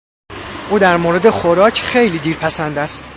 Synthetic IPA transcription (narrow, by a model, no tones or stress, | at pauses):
ʔuːd̪æɾmoɾe̞d̪e̞xoɾɒːcʰxe̞jliːd̪iːɾpʰæsænd̪æst̪